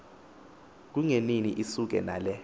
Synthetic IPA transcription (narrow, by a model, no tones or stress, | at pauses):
k̬uŋeniniʔisuk̬ɛ̰naːlɛ